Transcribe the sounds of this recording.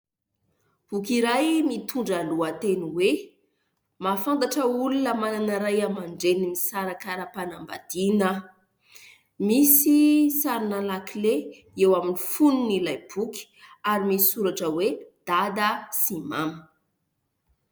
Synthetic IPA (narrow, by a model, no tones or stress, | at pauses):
b̥ukiɾajmit̪ʰuɳɖ͡ʐaluət̪eniwe | mafant̪aʈ͡ʂəulunəmananəɾajamaɳɖ͡ʐenimisaɾakaɾəpanamba̰d̪̥inə | misisaɾinalakle | ewaminifununilajb̥ukʲi̥aɾimisi̥suɾaʈ͡ʂəwed̪̥ad̪əsima̰mi